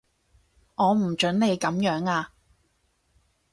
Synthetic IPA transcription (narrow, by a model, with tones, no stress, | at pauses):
ŋɔː˨˧m̩˨˩t͡ʃɵ˨˥nle˨˧jkɐ˨˥mjœː˨˥ŋaː˧